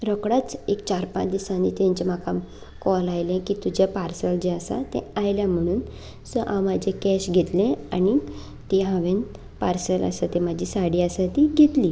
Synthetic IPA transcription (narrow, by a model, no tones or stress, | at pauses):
ɾəkɽat͡sekt͡ɕaɾpã̰t͡sd̪isãnit̪jãɲt͡ɕem̤akam | kɔlajlẽkit̪ud͡ʑjapaɾsəld͡ʑeasa̰t̪ḛ̃ajljam̤əɽ̃uːn | səʔãwmad͡ʑʱekɛɕɡʱet̪lẽani | t̪eɦãʋẽn | paɾsəla̰sat̪emad͡ʑʱisaɽiːasat̪iɡʱet̪liː